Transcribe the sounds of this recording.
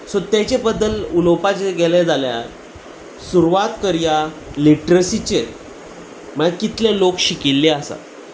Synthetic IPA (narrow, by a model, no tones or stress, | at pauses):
sot̪jet͡ɕebəd̪ːəlulopat͡ɕeɡeled͡zalja̰ɾ | suɾuʋat̪kəɾja | liʈɾəsit͡ɕe | məɭakit̪lelokɕikilːeasa̰t̪